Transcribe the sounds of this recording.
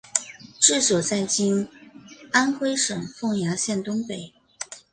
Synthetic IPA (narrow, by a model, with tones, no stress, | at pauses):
ʈ͡ʂɻ̩˥˩swɔ˨˩t͡sa˥˩ɪt͡ɕi˥n | a˥nxwe˥ɪʂɤ˨˩ŋfɤ˥˩ŋja˧˥ɕjɛ˥˩nt̪ʊ˥ŋpe˨˩ɪ